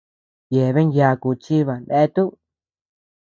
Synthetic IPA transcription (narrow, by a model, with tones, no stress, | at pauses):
je˨βe˦nja˧ku˧˨t͡ʃi˦βa˨nd̪e˦t̪u˦